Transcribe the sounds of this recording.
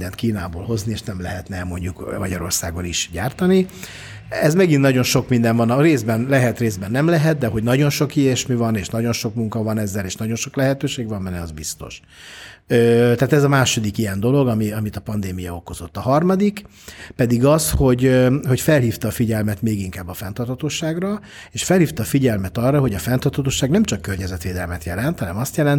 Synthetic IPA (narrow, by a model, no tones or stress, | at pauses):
d̪ɛnt̪kiːnaːbo̰ːlho̞znieːʃnɛmlɛɦɛt̪nɛmo̞ɲɟukmɒɟɒɾo̞̰rsaːɡo̞niʃɟaːrt̪ɒni | ɛzmɛɡinnɒɟo̞nʃo̞kmind̪ɛɱvɒnɒreːzbɛnlɛɦɛt̪reːzbɛnːɛmlɛɦɛt̪̚d̪ɛɦo̞ɟnɒɟo̞nʃo̞kieʃmivɒneːʃnɒɟo̞nʃo̞kmuŋkɒvɒnɛzːɛleːʃnɒɟo̞nʃoklɛɦɛt̪øːʃeːɡvɒmɛnːɛɒzbist̪o̞̰ʃ | øt̪aːt̪ɛzɒmaːʃo̞d̪ikijɛnd̪o̞lo̞ɡɒmiɒmit̪ɒpɒnd̪eːmijɒo̞ko̞zo̞t̪ːɒɦɒrmɒd̪ik | pɛd̪iɡɒsho̞ɟho̞cfɛlhiːft̪ɒːfiɟɛlmɛt̪meːɡiŋkaːbːɒfɛnt̪ɒrt̪hʰɒt̪oːʃaːɡrɒ | eːʃfɛlhiːft̪ɒːfiɟɛlmɛt̪ɒrːɒɦo̞ɟɒfɛnt̪ɒrt̪ʰɒt̪oːʃaːɡnɛmt͡ʃɒkːørɲɛzɛt̪ʋeːd̪ɛlmɛt̪jɛlɛnt̪hɒnɛmɒst̪jɛlɛnt̪